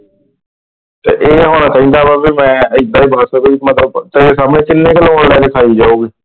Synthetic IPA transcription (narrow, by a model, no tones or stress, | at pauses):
t̪ḛːʔeːɦoːnãːt̪ə̃ĩnd̪aːbaːbiːmɛ̃ːɪd̪aːiːbaːsəbemət̪ləbt̪eesaːmneːt͡ʃɪlːẽːkəlõɽlɛːk̪eːk̪ʰaːiːd͡ʒaːoːɡiː